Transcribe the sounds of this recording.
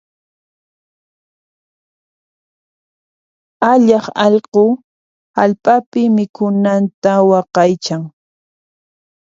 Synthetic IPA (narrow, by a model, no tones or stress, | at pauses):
aʎɑχɑʎqo | halpʼapɪmɪkʊnant̪awɑqɑjt͡ʃaŋ